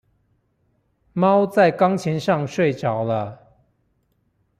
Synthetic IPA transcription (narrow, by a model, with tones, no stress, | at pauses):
mɑ˦ʊt͡sa˥˨ɪkɑ˥ŋt͡ɕʰjɛ˧˥nʂɑ˥˨ŋʂwe˥˨ɪʈ͡ʂɑ˨˩ʊlə˦